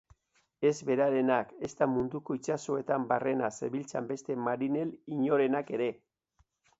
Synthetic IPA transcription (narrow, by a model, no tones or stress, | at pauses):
e̞zβe̞ɾaɾe̞nake̞st̪amund̪uko̞it͡ʃaso̞e̞t̪ambare̞nase̞βilt͡sa̰mbe̞st̪e̞maɾine̞liɲo̞ɾe̞nake̞ɾe̞